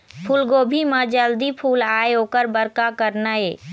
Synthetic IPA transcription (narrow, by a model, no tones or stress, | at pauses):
pʰulɡoːbʱimãd͡ʒəld̪ipʰuːlaːeoːkəɾbəɾkakəɾnaeː